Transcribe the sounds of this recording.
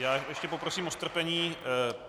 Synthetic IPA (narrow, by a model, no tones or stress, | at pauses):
jaːjɛʃcɛpopɾosiːmost̪r̩pɛɲiː